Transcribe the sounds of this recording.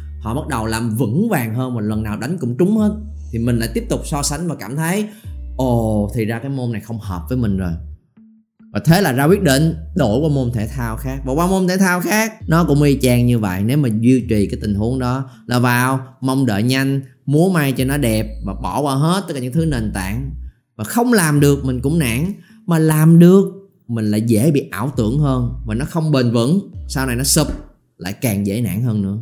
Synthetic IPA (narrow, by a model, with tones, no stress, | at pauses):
hɔ̰˧˨ɓa˦˥t̚ɗə˨˩wlaː˨˩mvɨ̰˧˥ŋvaː˨˩ŋɦəː˧nvaː˨˩lwə˨˩nːaː˨˩wɗa˨˦jŋ̟kʊ̰˧˥ŋ͡mt͡ɕʊ˨˦ŋ͡mhəː˨˦˥t̚ | t̪ʰi˨˩mï˨˩ŋ̟la̰ː˧˥jt̪i˦˥əp̚t̪ʊ˨˩k͡p̚sɔ˧sa˨˦jŋ̟vaː˨˩kaː˧˩mt̪ʰə˨˦jʔo˧˩t̪ʰi˨˩zaː˧kaː˨˦jmo˧na˨˩jxə˧wŋ͡mhəː˨˩p̚vəː˨˦jmï˨˩ŋ̟zo˨˩j | vaː˨˩t̪ʰe˨˦laː˨˩zaː˧kwi˦˥ət̚ɗḛ˧˨nɗo˧˩jwaː˧mo˧nt̪ʰe˧˩t̪ʰaː˧wxaː˦˥k̚vaː˨˩waː˧wmo˧nt̪ʰe˧˩˦t̪ʰaː˧wxaː˦˥k̚nɔ˨˦kʊ̰˧˥ŋ͡mɣi˧t͡ɕaː˧ŋɲɨ˧və̰˧˨jne˨˦wmaː˨˩zwi˧t͡ɕi˨˩kaː˨˦t̪ï˨˩hu˨˦əŋɗɔ˨˦laː˨˩vaː˨˩wmə˧wŋ͡mɗə̰ː˧˨ɲa˧jŋ̟ | mu˨˦əma˧jt͡ɕɔ˧nɔ˨˦ɗɛ˨˩p̚vaː˨˩ɓɔ˧˩kwaː˧˩wɦe˦˥t̪̚ːlaː˨˩˨ɨ˧ŋt̪ʰɨ˨˦ne˨˩nt̪a̰ː˧˨ŋ | vaː˨˩xə˧wŋ͡mlaː˨˩mɗɨ˨˩ək̚mï˨˩ŋ̟kʊ̰˧˥ŋ͡mna̰ː˧˥ŋ | maː˨˩laː˨˩mɗɨ˨˩ək̚ | mï˨˩ŋ̟la̰ː˧˨˦jzḛ˧˥ɓḭ˧˨ʔaː˧˩wt̪ɨ̰˧˩əŋhəː˧nvaː˨˩nɔ˨˦xə˧wŋ͡mɓe˨˩nvə̰˧˥nsaː˧wna˨˩jnɔ˨˦sɨ˨˩p̚ | la̰ː˧˨jkaː˨˩ŋzḛ˧˥na̰ː˧˥˨nhəː˧nːɨ̰˧˥ə